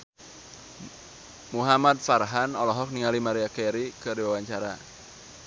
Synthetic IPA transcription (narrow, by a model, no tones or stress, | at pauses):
muɦamat̪̚farɦanɔlɔɦɔk̚niŋalimaɾiakɛɾikədiwawaɲt͡ʃaɾa